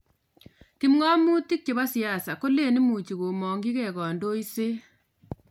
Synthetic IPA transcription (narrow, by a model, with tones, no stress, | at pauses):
ki˦mŋa˦mu˦ti˦k̚t͡ʃe˨βa˦sja˨sa˨ko˦le˦˨ni˦mu˨t͡ʃi˨ko˨mɔ˨ŋɡi˦kɛ˨kɔ˨ndo˦i˦se˦